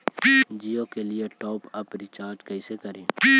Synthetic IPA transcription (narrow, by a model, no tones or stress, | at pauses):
d͡ʒiːokelieʈɔːpɐpɾɪt͡ʃaːɾd͡ʒkɐisekɐɾẽː